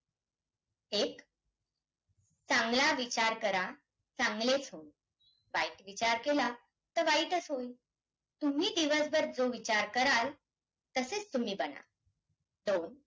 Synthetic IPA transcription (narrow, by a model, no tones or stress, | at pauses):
ek | t͡sãŋɡlaʋit͡ɕaɾkəɾa | t͡sãŋɡlet͡sɦoĩ | ʋaiʈʋit͡ɕaɾkela | t̪əɾʋaiʈəsɦoi | t̪um̤iːd̪iʋəsbəɾd͡zoʋit͡ɕaɾkəɾal | t̪əset͡st̪um̤iːbəna̰ | d̪on